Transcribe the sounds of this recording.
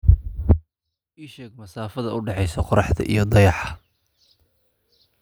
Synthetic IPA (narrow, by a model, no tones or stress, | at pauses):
ʔiːʃɛːɡmɐsaːfɐðɐʊɖɛħɛjsɐqʊɾɑħt̪ʰɐ̰ʔḭjɞd̪ɐjɑħɑ